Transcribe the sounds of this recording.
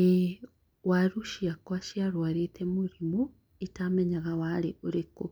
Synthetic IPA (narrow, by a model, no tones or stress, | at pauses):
e | waɾuʃiakwaʃiaɾwaɾetʰemuɾimu | itamɛɲaɣawaɾeoɾeko